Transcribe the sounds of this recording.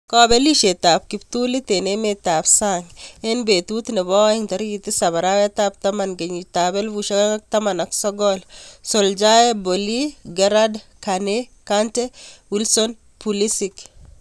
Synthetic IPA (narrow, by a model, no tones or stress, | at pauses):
kɔbɛliʃet̪ap̚kip̚t̪ulit̪enemet̪apsaŋɛnbet̪ut̪nɛbɔɛŋt̪ɐɾɡit̪isaβaɾawɛt̪ap̚t̪amanɡeɲit̪abɛlwuʃawŋak̚t̪amanɔksɔɡɔlsold͡ʒajeboliɡɛɾadkanekantɛwilsɔn | pulisik